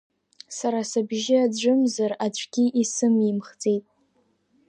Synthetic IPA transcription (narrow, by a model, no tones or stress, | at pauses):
saɾasabʒɪad͡ʒʷɨmzarat͡ɕʷʰʼɡʲiʔisɨmimχd͡zʼe̞jtʼ